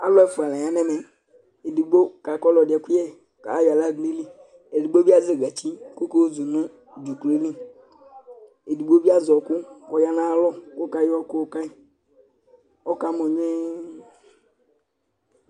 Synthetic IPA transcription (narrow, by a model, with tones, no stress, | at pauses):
a˦lɔ˦ɛ˦˨fu˨a˨la˨ɲ˨a˦nɛ˦mɛ˨ | e˨du˨ɡ͡bo˦ka˨kɔ˦lɔ˨dɪ˨ɛ˨ku˦ɛ˦ | ka˨˦ja˨la˦˨ɡli˦lĩ˦ | e˨di˨ɡ͡bo˦bi˦a˦ze˨ɡa˨t͡ʃi˦ko˦ko˦zu˨nũ˦ | d͡ʒu˨kli˦li˦ | e˨du˨ɡ͡bo˦bi˦a˦zɔ˨ku˦kɔ˨ja˦nã˦lɔ˦ko˦ka˦jɔ˦ko˦˨ka˦i˨˦ | ɔ˦ka˨mɔ˨ɲɛ˦